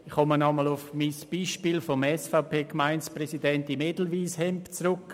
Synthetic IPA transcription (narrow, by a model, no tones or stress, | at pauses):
ɪχxɔmənɔməlʊfmisb̥iːʃpiːlfomɛsfaʊpeːkmaɪnsprɛsidɛntimedl̩viːshɛmpt͡sɾʊk